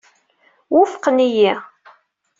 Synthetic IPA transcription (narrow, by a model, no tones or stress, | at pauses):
wʊfə̥qniji